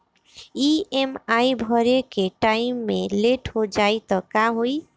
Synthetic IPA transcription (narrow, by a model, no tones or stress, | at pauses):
iemaibʱɔɾekeʈaimːeleʈɦod͡ʒajt̪ɔkaɦoj